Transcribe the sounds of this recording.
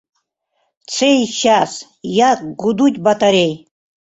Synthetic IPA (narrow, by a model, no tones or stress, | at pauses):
t͡sʰejɕas | jakɡud̪utʲbat̪ʰʼaɾʲej